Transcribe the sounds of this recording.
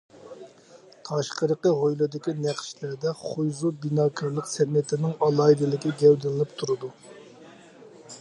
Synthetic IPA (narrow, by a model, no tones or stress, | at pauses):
t̪ʰɑʃqəɾəqəʁojlˠɨd̪ɪkʲinæχʃlæɾd̪ɛχʊjzubinɑːkʰɑɾlˠəqsɛnːɪt̪ʰɪnɪŋɑlˠɑjd̪ɨlˠɪkʲiɡʲɛwd̪ɪlɨnɨpt̪ʰuɾɨd̪u